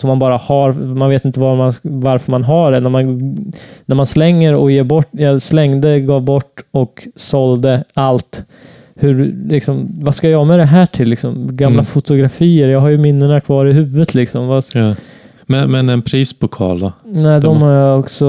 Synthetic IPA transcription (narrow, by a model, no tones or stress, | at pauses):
sɔmːanbɑːɾahaɾmanveːt̪ɪnt̪əvamanvaɾfœɾmanɦaɖɛnæɾman | næɾmanslɛŋːəɾɔ̰jeːbɔʈːjɑslɛŋd̪əɡɑːvbɔʈːɔksɔld̪əalt̪ | hɵɾlɪksɔmvaskajɑmɛd̪ɛɦæːʈʰɪlːɪksɔmɡammlafʊt̪ʊɡɾafiːəɾjɑːɡɦaɾjɵmɪnːəɳakʰvɑːɾɪɦʉːvːət̪ʰlɪksɔmva | mɛmɛnɛnpʰɾiːspʰɔkʰɑ̰ːlanɛːd̪ɔmhaɾjɑɔksɔ